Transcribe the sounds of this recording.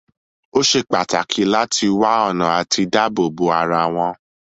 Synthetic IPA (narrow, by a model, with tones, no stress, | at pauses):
o˦ʃe˧k͡pa˨ta˨kʰi˨˦la˦tʰi˧wa˦ɔ˦˨nã˨a˨ti˧da˦bo˦˨bo˨˦a˧ɾa˧w̃ɔ̃˧